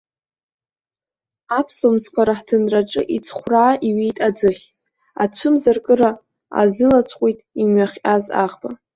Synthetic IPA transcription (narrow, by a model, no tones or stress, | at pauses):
apʰsɨmskʷʰaɾaħtʰɨnraʈ͡ʂʼɨ̰ʔit͡sʰχʷraːʔiɥejtʼad͡zɨχʲ | a̰t͡ɕʷʰɨmzarkʼɨɾa | a̰zɨlat͡sʷʰqʷʼejtʼimɥaχʲʼaza̰ʁba